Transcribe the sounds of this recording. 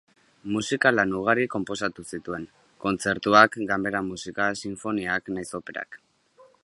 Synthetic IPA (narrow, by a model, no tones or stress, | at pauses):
musikalanuɣ̞aɾiko̞mpo̞s̬at̪usit̪ue̞ŋ | ko̞nt͡se̞ɾt̪uakɡambe̞ɾamusikasiɱfo̞niaknajso̞pe̞ɾa̰k